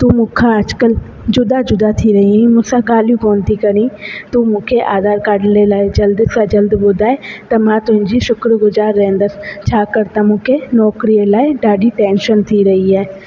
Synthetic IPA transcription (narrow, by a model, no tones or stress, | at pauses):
t̪umʊ̃kʰaəd͡ʒkəl | d͡ʒʊd̪ad͡ʒʊd̪at̪ʰiɾɐɦĩmʊ̃saɡaːljukoːnt̪ikəɾĩːt̪umʊ̃kʰeʔaːd̪aːɾkaːɽlelaːed͡ʒəld̪skad͡ʒəld̪bʊd̪aːet̪ɐmãt̪ʊɦɪ̃ɲd͡ʒiʃʊkɾɡʊzaːɾːɛ̃ːnd̪ast͡ʃʰaːkəɾt̪ãmʊ̃kʰenɔːkɾielaːiɖaːɖiʈɛːnʃənt̪ʰiɾɐɦiɛː